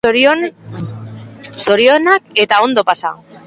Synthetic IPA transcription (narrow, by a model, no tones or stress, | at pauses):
so̞ɾionak̚e̞t̪ao̞nd̪o̞pasa̰